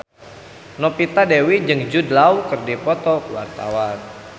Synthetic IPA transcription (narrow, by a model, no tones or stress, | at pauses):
nɔpit̪adewid͡ʒɨŋd͡ʒudlawkɨrdipɔt̪ɔwa̰rt̪a̰wan